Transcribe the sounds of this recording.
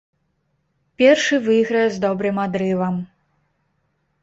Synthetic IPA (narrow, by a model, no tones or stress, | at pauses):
pʲɛrʂɨvɨjɣɾɐjɛzd̪ɔbɾɨmad̪ɾɨvɐm